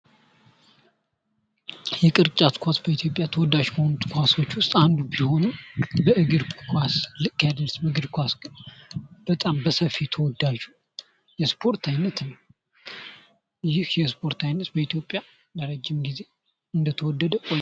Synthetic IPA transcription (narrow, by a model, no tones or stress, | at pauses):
jɛkʼɨɾt͡ʃʼat̪kʰʷasbəit̪ʰjo̞pʼjat̪ʰəwɔd̪ːaʒkʰəho̞nut̪ʰʼkʰʷaso̞t͡ʃːwʊst̪ʼand̪ubiho̞nubəʔɨɡɨɾkʰʷaslɨkʼːjad̪əlsbəɨɡɨd̪kʰʷasɡɨnb̥ət̪ʼambəsəfit̪ʰəwɔd̪ːaʒu | jɛspʰo̞ɾt̪ʰajnːət̪nəw | jɪhjɛspʰo̞ɾt̪ʰajnːət̪bəit̪ʰjo̞pʼja | dəɾəd͡ʒːɪmɡize̞ | ɨnd̪ət̪ʰəwɔd̪ːəd̪əkʼo